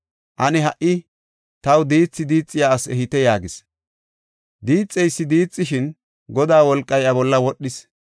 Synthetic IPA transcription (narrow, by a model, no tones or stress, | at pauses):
ʔɐnɛɦɐʔɪ | t̪ɐwd̪iːt͡sːɪd̪iːt͡sʼːɪjaɐsɛhɪt̪ɛjaːɡɪs | d̪iːt͡sʼːɛjsːɪd̪iːt͡sʼːɪʃɪn | ɡɔd̪aːwɔlkʼːɐjʔɐbɔlːɐwɔɗːɪs